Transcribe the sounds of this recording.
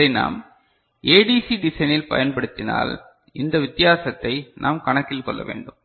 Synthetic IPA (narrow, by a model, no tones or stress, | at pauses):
ɐɪna̰ːm | eːɖiːsiɖɪsɐɪnɪlpɐ̰jɐnpɐɽɯt̪ːɪna̰ːl | ʔɪnd̪ɐʋɪt̪ːɪjaːsɐt̪ːɐɪnʔaːmkɐɳɐkːɪlkɔlːɐ̰ʋḛːɳɖɯm